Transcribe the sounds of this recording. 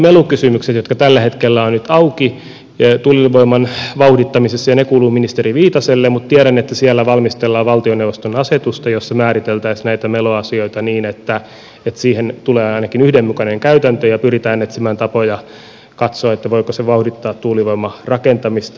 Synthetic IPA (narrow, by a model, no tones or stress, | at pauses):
melukysymykset̪jot̪kɑt̪ælːæhet̪kelːæonnyt̪ɑuki | t̪uːlilʋoimːɑnʋɑuhdit̪ːɑmisesːɑjɑnekuːluːminist̪eriʋiːt̪ɑselːemut̪t̪iæɾænːet̪ːæsiælːæʋɑlmist̪elːɑːʋɑlt̪ioneuʋost̪onɑset̪ust̪ɑjosːɑmæːɾit̪elt̪æisnæit̪æmeloɑsioit̪ɑniːnet̪ːæ | et̪siːhent̪uleːɑinɑkinyhdemmukɑneŋkæyt̪ænt̪øjɑpyrit̪æːnːet̪simæːnt̪ɑpojɑ | kɑt̪soɑet̪ːæʋoikoseʋɑuhdit̪ːɑːt̪t̪uːliʋoimːɑrɑkent̪ɑmist̪